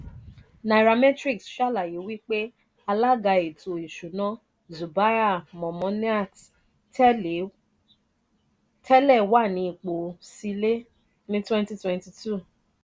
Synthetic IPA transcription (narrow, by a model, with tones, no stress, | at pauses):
na˨ɾa˧mɛ˦tɾi˦˨ksʃa˦˨la˨ji˨˦wi˦k͡pe˦ | a˧la˦ɡa˧e˨tʰo˨i˨ʃu˨nã˦ | zu˨ba˦ja˦˨mɔ̃˨mɔ̃˨˦n˦a˦˨t | tʰɛ˦lɛ˦˨wa˦˨nĩ˨˦i˨k͡po˨si˧le˦ | nĩ˦twɛ̃˦nti˦twɛ̃˦nti˨tʰu˦˨